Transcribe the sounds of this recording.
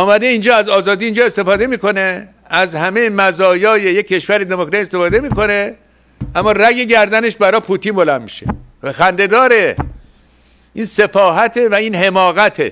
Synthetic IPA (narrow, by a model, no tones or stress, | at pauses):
ɒːmæd̪e̞ind͡ʒɒːæzɒːzɒːd̪iːnd͡ʒɒːe̞st̪e̞fɒːd̪e̞miːko̞ne̞ | æzhæme̞jemæzɒːjɒːjejecʰːe̞ʃvæɾed̪emokɾæt̪iest̪e̞fɒːd̪e̞miːko̞ne̞ | ʔæmːɒːræɡeɟæɾd̪æne̞ʃbæɾɒːpʰut̪ʰinbolæmːiʃe | xænd̪e̞d̪ɒːɾe | ʔiːnse̞fɒːɦæt̪ʰe̞væiːnhe̞mɒːɣæt̪ʰḛ